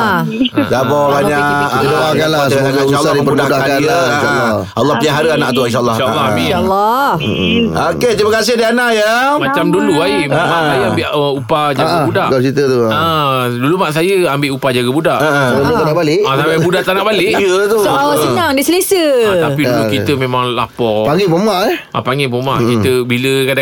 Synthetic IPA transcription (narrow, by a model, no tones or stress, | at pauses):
sabɔbaɲaəloakanlasəoɡadibərubaudakanlainʃalːɔ | alːɔhpəliaɦaɾəanaʔt̪uinʃalːaʃalːaialːɔ | oket̪ɾimakas̬ɪhdianaʔjamat͡ʃamduluaimamaajaambɪʔupad͡ʒaɡabudaʔat͡ʃit̪ət̪ua | dulumaʔs̬ajəambɪʔupad͡ʒaɡəbudaʔaʔuluanaʔbalɪʔasaabudaʔt̪anaʔbalɪʔiət̪ualaəɲaŋdisəlesətapidulukitt̪əmẽmaŋla̰pɔpaŋɡibomaʔɛʔapaŋɡibomaʔkit̪əbiləkada